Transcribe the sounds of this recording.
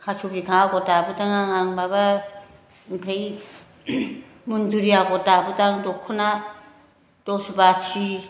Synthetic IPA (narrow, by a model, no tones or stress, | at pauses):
kʰat͡ʃʰubikʰaɡɔdabɯdaŋaŋaŋbaβa | mpʰej | munduɾiaɡɔdabɯdaŋdɔkʰɯna | d̥ɔsbat͡ʃi